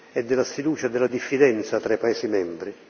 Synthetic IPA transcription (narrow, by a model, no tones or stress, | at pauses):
ɛd̪ːɪlːasfid̪uːt͡ʃad̪ɪlːad̪ifːid̪ɛnt̪sat̪ɾaipaɛːsimɛmbɾi